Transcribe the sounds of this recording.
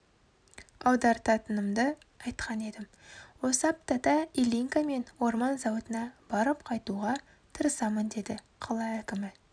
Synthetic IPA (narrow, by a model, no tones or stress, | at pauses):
ɑwd̪ɑɾt̪ʰɑt̪ənəmd̪ə | ɑjt̪qʰɑne̞d̪ɪm | wo̞sɑp̚t̪ɑt̪ɑilʲiŋkame̞nwo̞ɾmɑnzɑwət̪ənɑb̥ɑɾəp̚qʰɑjt̪uʁɑ | t̪ʰəɾəsɑmənd̪e̞d̪ɪ | qʰɑlˠɑækʲɪmɪ